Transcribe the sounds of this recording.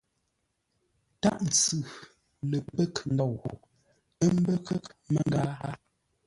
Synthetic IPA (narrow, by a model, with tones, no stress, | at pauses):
ta̰˦ʔn̩˨t͡sʉ˨ | lə˨pə˦kn̩˦dɔ˦˨wɣo̰˨ | ə˦m˦bə˦kə˦kmə˨ŋɡa˦ha˦